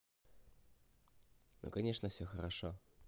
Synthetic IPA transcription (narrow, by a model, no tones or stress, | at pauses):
no̰kanʲeʂnəfsʲoxəɾaʂo